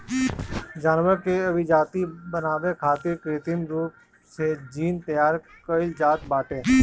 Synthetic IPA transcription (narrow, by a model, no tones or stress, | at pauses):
d͡ʒaːnwəɾkeɐbʱɪd͡ʒaːt̪ibənaːʋekʰaːt̪ɪɾkɾɪt̪ɪnɾuːp̚ | sed͡ʒiːnt̪ɐjaːɾ | kəɪld͡ʒaːt̪baːʈẽː